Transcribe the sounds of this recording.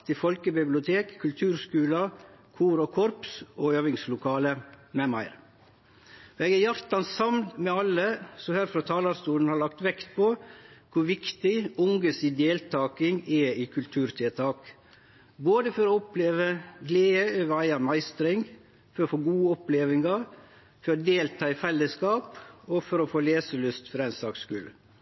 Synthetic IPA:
t̪ɪfɔlkəbɪblɪʊt̪ʰeːkʰːʉlt̪ʰʉːɾskʉːlɑkʰuːɾɔkʰɔɾpsoːøːʋɪŋslʊkʰɑːləmɛmæ̰ɪɾ | ɛːɡæɾjɑɾt̪ɑnsɑmnmɛɑlːəsɔhæɾfɾɑt̪ʰɑːlɑɾst̪uːn̩hɑɾɭɑk̚t̪ʋɛkt̪pʰokʰʊɾʋɪkt̪ɪʊŋɡəsiːd̪eːlt̪ʰɑːkɪŋɛɪːkʰʉlt̪ʰʉːɾt̪ʰɛlt̪ʰɑːk | boːd̪əfɔɾɔɔpleːʋəɡleːəøːʋəɾæɪɑɾmæɪst̪ɾɪŋ | fɔɾɔfoːɡuːəɔpleːʋɪŋɑɾ | fɔɾɔd̪eːlt̪ʰɑːɪfɛlːəskɑːpɔfɔɾɔfoːleːsəlʉst̪fɔɾæɪnsɑːkskʉl

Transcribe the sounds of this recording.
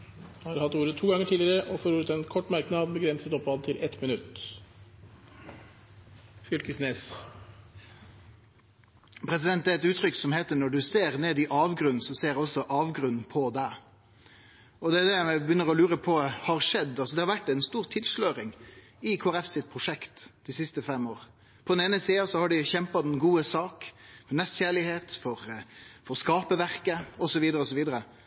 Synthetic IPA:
hɑɾhɑt̪ːuːɾət̪ʰuːɡɑŋːəʈʰiːlɪəɾəʔɔfɔɾuːɾət̪ʰɛnkʰɔʈːmæɾknɑːd̪bəɡɾɛnsət̪ɔpːɑːd̪t̪ʰɪlʔɛt̪mɪnʉt̪ː | fʏlkəsneːs | pʰɾɛs̬ɪd̪ɛnt̪d̪æɛt̪ʉːt̪ʰʁʏksɔmheːt̪ənːɔɖʉseːʁneːd̪ɪʔɑːʋɡʁʉnn̩sɔseːɾɔsɔʔɑːʋɡʁʉnn̩pʰɔd̪æɪ | ɔd̪ɛːd̪ɛmɛbəjʏnːəʁɔlʉːɾəpʰɔhɑʁʂɛd̪ːɑlsɔd̪ɛhɑɾʋæʈːɛɪnst̪uːʁt̪ʰɪlʂløːɾɪŋ | ɪkʰoæɾɛfsɪt̪̚pʰɾʊʂɛkt̪d̪̥ɪsɪst̪əfɛmːoːʁ | pʰɔd̪ɛneːnəsiːɑsɔhɑɖɪçɛmpɑd̪ɛnɡuːəsɑːkfɔnɛsçæːɭɪheːt̪fɔɾfɔɾskɑːpəʋæʁkəɔsɔʋiːd̪əɾəɔsɔʋiːd̪əɾə

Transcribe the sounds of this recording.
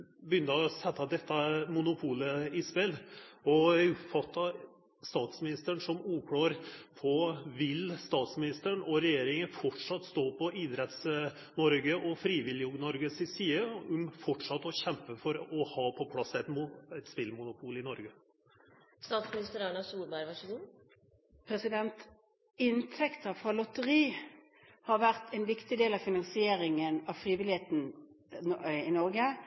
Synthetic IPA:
bəjʏnt̪əɔsɛt̪ːɑd̪ɛt̪ːɑmʊnʊpʰuːləɪspɛlɔʊpfɑt̪ːɑ | st̪ɑːt̪smɪnɪst̪əɳʂɔmuːkʰɽɑːɾpʰɔʋɪlst̪ɑːt̪smɪnɪst̪əɳɔɾɛjeːɾɪŋəfɔʈʂɑt̪ːst̪oːpʰɔʔɪd̪ɾɛt̪s | mɔɾɡəʔɔfɾiːʋɪljəʊɡnɔɾɡəsɪsiːəʊmfɔʈʂɑt̪ːɔɕɛmpəfɔɾɔhɑːpʰɔpʰlɑsːɛt̪muɛt̪spɪlmʊnʊpʰuːlɪnɔɾɡə | st̪ɑːt̪smɪnɪst̪əɾæɳɑsuːlbæɪɾʋɑʂəkun | pʰɾɛsɪd̪ɛnt̪ | ɪnt̪ʰɛkt̪ɑʋfɑlɔt̪əʁiː | hɑʁʋæʁt̪ʰɛɪnʋɪkt̪ɪd̪eːlɑfɪnɑnsɪeːɾɪŋənɑʋfʁiːʋɪlɪheːt̪n̩ | ɪnɔɾɡə

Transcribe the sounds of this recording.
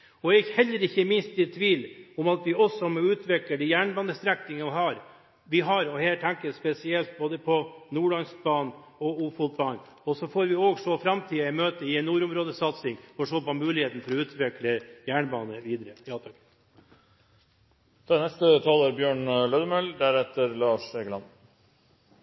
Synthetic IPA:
ɔɛçhɛlːəɾɪçːəmɪnst̪ɪt̪ʰʋiːlʊmɑt̪ʋɪɔsɔmɔʉːt̪ʋɛkləɖɛjæːɳbɑːnəst̪ɾɛknɪŋɑʋɪhɑɾ | ʋɪɦɑɾɔheːʈ̪ʰæŋkəspɛsɪɛlt̪̚boːd̪əpʰɔnuːɭɑnsk̚bɑːn | ɔuːfuːlt̪̚bɑːn | ɔsɔfoːɾʋɪoːɡʂɔfɾɑmt̪ʰiːɑɪmøːt̪əɪɛnːuːɾʊmɾoːd̪əsɑt̪sɪŋfɔʂoːpɔmʉːlɪheːt̪n̩fɔɾɔʉːt̪ʋɪkləjæːɳbɑ̰ːnəʋiːd̪əɾəjɑːt̪ʰɑk | t̪ʰɛnɛst̪ət̪ʰɑːləɾbjøːɳlœd̪əmœld̪æɾɛt̪ːəɾlɑːʂeɡəlɑ̰n

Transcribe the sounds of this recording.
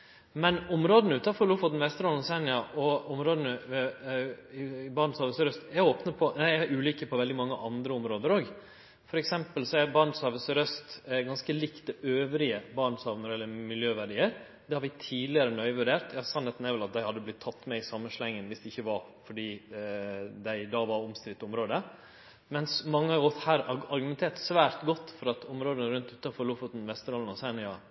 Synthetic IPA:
mɛnʊmɾoːd̪ənəʉːt̪ɑfɔluːfɔd̪ɛnʋɛst̪əɾɔnsænɪɑʔɔʊmɾoːd̪ənə | ɪbɑːɳshɑːʋəsɾœst̪æoːpnəpʰɔæɪæʔʉːliːkəpʰɔʋɛld̪ɪmɑŋːəʔɑnd̪ɾəʊmɾoːd̪əɾoːɡ | fɔɾɛksɛmpəlsɔæɾbɑɳsɑʋəsɾœst̪ɡɑnskəlikt̪̚d̪ɛøːʋɾɪəbɑːɳsɑʋnɔɾɛlːəɾmɪljøːʋæɖiːəɾ | d̪ɛhɑɾʋɪt̪ʰiːlɪəɾənœʏʋʉɖeːɾt̪jɑsɑnhɛt̪n̩æɛɾʋɛlɑt̪̚d̪æɪhɑd̪ːəblɪt̪ʰːɑt̪ːmɛɪsɑmːəʂlɛŋːənʋɪsd̪ɛɪçːəʋɑɾfɔɖiː | d̪æɪd̪ɑːʋɑɾɔmst̪ɾɪt̪ːʊmɾoːd̪ə | mɛnsmɑŋːəɑʋɔshæːɾɑɾɡʉmɛnt̪ʰeːɾʈsʋæːɾt̪ɡɔt̪ːfɔɾɑt̪ʰʊmɾoːd̪ənəɾʉnt̪ʉːt̪ːɑfɔɾɭʊfʊt̪nʋɛst̪əɾɔln̩ɔsænɪɑ

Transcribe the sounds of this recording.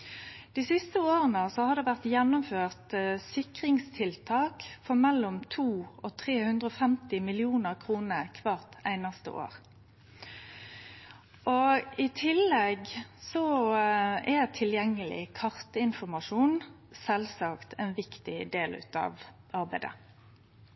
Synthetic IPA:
d̪̥isɪst̪əoːʁənəsɔhɑd̪ɛʋæʁt̪jɛnːʊmføːʁt̪sɪkʁɪŋst̪ʰɪlt̪ʰɑːkfɔʁmɛlːɔmt̪ʰuːɔt̪ʰʁeːhʉnd̪ʁəɔfɛmt̪ɪmɪlɪuːnəʁkʰʁuːnəkʰʋɑːʁt̪æɪnɑst̪ə̰ʔo̰ːʁ | ʔɔɪt̪ʰɪlːɛɡsɔ | ɛt̪ʰɪljɛŋːəlɪ̰kʰɑʁt̪əɪnfɔmɑʂuːn | sɛlsɑkt̪ʰæɪnʋɪkt̪ɪd̪eːlʉ̰ːt̪ɑ̰ːʋ | ɑʁbæɪd̪ə̰

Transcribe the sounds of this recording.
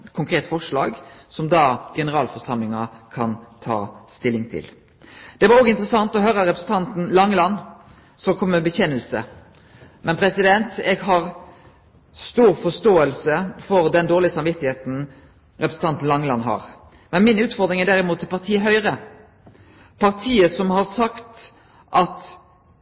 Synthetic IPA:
kʰʊŋkʰɾeːt̪fɔʂlɑ̰ːɡsɔmd̪ɑːɡɛnəʁɑːlfɔʁʂɑmlɪŋɑkʰɑnt̪ʰɑ̰ːst̪ɪlːɪŋt̪ʰɪ̰l | d̪̥ɛʋɑɾoːɡəɪnt̪ɾəsɑŋt̪ɔɦœːɾəɾɛpɾəsn̩t̪ʰɑnt̪n̩lɑŋːlɑnː | sɔkʰɔmːəbəçɛnəlsə̰ | mɛnpʰɾɛsɪd̪ɛnt̪ɛɡɦɑʁ | st̪uːɾfɔst̪oːəlsəfɔɾd̪ɛnd̪oːʁlɪəsɑmʋɪt̪ːɪheːt̪n̩ | ʁɛpɾəsn̩ʰɑnt̪n̩lɑŋlɑnɦɑ̰ʁ | mɛnmɪnʉːt̪fɔʁd̪ɾɪŋæɖ̪æʁɪmuːt̪ːɪlpʰɑʁt̪ʰiːəɦœʏʁə | pʰɑʁt̪ʰiːəsɔmhɑʁsɑkt̪ | ʔɑt̪

